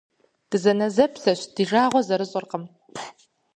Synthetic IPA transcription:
d̥ɨzɐnɐzɐpʰɬɐɕd̥iʒaːʁʷɔzɐɾɨɕʼɐrqəm

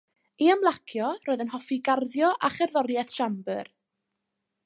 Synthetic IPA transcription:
iamlˠakʰjɔroːɨðənɦɔfiɡarðjɔʔaχɛrðɔɾjɛθʃambər

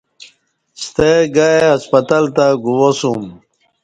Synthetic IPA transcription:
st̪eɡaeɐspɐt̪alt̪aɡuwosum

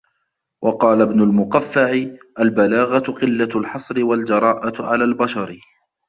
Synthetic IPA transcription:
wʔɑqɑːlabnʊlmʊqafːaʕɪʔalbalaːɣat̪qɪlːalħɑsˤɾɪwald͡ʒɑɾˤɑːʔaʕalaːlbaʃɑɾ

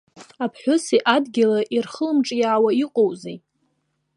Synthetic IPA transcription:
apʰħʷʊsiʔadɡʲɪlaʔirχəlmʈ͡ʂʼjaːwaiqʼowze

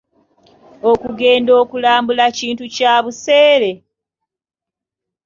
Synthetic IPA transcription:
o̞kuɡe̞ːndo̞ːkulaːmbulaciːntucaːβuseːɾe̞

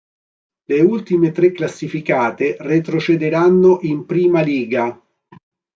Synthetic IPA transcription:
leult̪imet̪ɾekːlasːifikaːt̪eret̪ɾot͡ʃed̪eɾanːoʔimpɾiːmaliːɡa

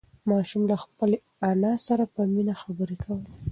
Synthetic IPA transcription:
mɑʃumlaxpəl | anɑsaɾapəminaxabəɾekʰawəl

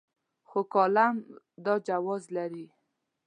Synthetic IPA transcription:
xokɑlam | d̪ɑd͡ʒawɔzlaɾi

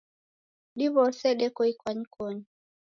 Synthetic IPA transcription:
ɗiβɔsɛɗɛkɔikwaɲikɔɲi

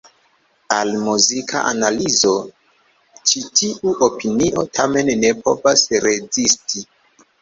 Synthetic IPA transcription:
almuzikʰa̰ʔanalizo̞ | t͡ʃitʰiʔuʔopiniʔo̞tʰame̞nːe̞pʰo̞̰vasɾe̞zisti

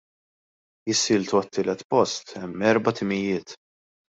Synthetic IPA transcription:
jɪsɪːlt̪uɐt̪ːɪːlɛt̪pɔst̪ɛmːɛɾbɐt̪ɪmɪjɪːt̪

